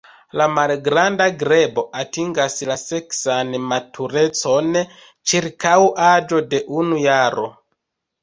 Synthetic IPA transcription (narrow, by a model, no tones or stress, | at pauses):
lamalɡɾandaɡɾe̞bo̞ʔatiŋɡaslase̞ksanmatʰuɾe̞t͡so̞n | t͡ʃiɾkawʔad͡ʒo̞de̞ʔunujaɾo̞̰